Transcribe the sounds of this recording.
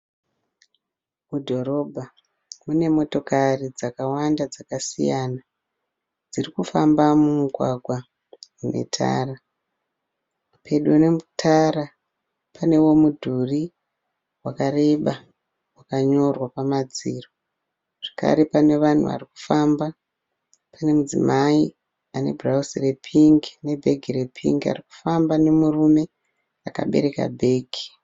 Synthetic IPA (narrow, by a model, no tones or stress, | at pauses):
mudʱo̞ɾo̞bʱa | mune̞mo̞to̞karid͡zakawandad͡zakasḭjana | d͡zirikufambamumuɡʱwaɡʱwa | une̞̰tʰa̰ːra | pʰe̞ɗone̞mutʰaɾa | pane̞wo̞mudʱuri | wakare̞ɓa | wakaɲo̞rwapamad͡ziːro | ʐ̥ḁka̰ɾe̞pane̞ʋan̤ṵʋa̰riku̥faːmba | pane̞mud͡zḭmai | ane̞̰bʱrausire̞pʰiŋɡine̞bʱe̞ɡʱire̞pʰḭŋɡia̰riku̥fambane̞murume̞ | aka̰ɓe̞̰ɾe̞ka̰bʱe̞ːɡʱi̥